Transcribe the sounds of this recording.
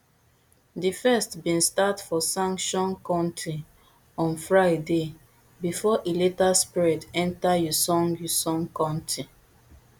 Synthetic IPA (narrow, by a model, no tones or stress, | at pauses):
difɛstbĩnstatfɔsãŋkʃɔ̃nkãntɹi | ɔ̃nfɹaɪde | bifɔʔeletaspiɹitɛ̃ntajusɔ̃ŋjusɔ̃nkãntʰɹi